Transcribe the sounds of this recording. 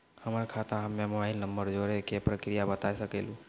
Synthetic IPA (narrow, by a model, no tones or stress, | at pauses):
həməɾkʰat̪aɦəmːemobaɪlnəmbəɾd͡ʒoɾekepɾəkɾijabət̪asəkɛlũ